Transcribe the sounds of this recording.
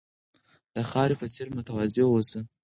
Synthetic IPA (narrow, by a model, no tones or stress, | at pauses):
d̪̥əxɑɾepət͡seɾmʊt̪awazewosi